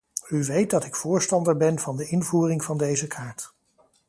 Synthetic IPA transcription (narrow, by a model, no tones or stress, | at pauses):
yʋejt̚dɑtɪkfʊːɹstɑndəɹbɛnvɑndəɪnvuːrɪŋv̥ɑndejzəkʰaːɹt